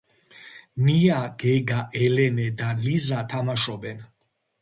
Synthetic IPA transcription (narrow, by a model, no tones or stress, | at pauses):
niaɡ̥ɛɡaʔɛlɛnɛd̪alizat̪ʰamaʃɔbɛn